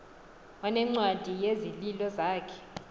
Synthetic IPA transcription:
wanɛŋ͡ǀwad̥ʱijezililɔzaːkʰɛ̥

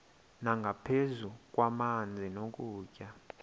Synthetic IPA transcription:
naŋɡʱapʰezuk̬ʼwamand͡zʱinok̬ʼuːcʼa

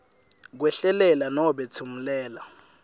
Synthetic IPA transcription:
k̬wɛɬɛlɛlanɔɓɛt͡sʰum̩lɛːla

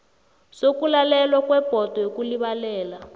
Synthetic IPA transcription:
sokulalɛlwakwɛb̥ʱɔtɔjokuliβalɛːla

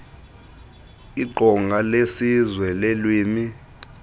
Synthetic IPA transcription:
iǃʱɔŋɡʱalesizwɛlelwiːmi

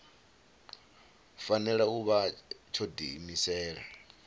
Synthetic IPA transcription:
fanɛɺauβat͡ʃʰɔdḭmisɛːɺa̰

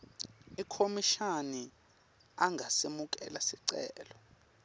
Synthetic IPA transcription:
ikʰomiʃani | aŋʱasemuk̬ʼɛ̰lasiǀɛ̰ːlɔ

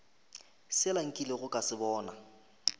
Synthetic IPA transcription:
sɪlaŋ̩kʼilɪɣʊkʼasɪbɔːna

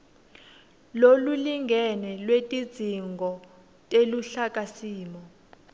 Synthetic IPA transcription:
loluliŋɡʱɛnɛlwetʼid̥z̥ʱiŋɡʱɔ | tʼeluɬakʼasiːmɔ

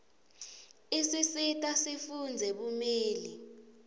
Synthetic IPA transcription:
isisitʼasifund͡zʱɛɓumeːli

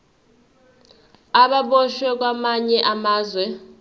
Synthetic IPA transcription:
aɓaɓɔʃwɛk̬ʼwamaɲɛʔamaːzwɛ

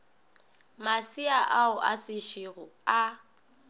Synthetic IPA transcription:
masiaʔaʊʔa̰sɪʃiɣʊa

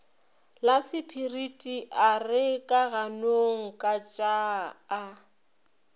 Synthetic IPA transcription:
lasɪpʰiritʼiʔarɪkʼaɣanoŋ̩kʼat͡ʃʼaː

